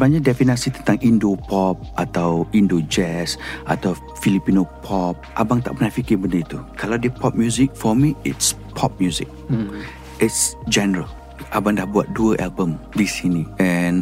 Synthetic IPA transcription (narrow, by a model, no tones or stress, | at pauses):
baɲak̚dɛfinasit̪ənt̪ãŋĩndopɔp̚ʔat̪awĩndod͡ʒɛsʔa̰t̪aw | filipinopʰɔp̚ʔabaŋt̪a̰ʔmənafikibəndəit̪ukʰalawdiəpʰɔp̚mjuzɪk̚fɔmiɪts | pʰɔp̚mjuzɪk̚ | itsd͡ʒɛnəɹəl | ʔabaŋdahbua̰t̪̚duəʔalbə̃mdisiniɛ̃n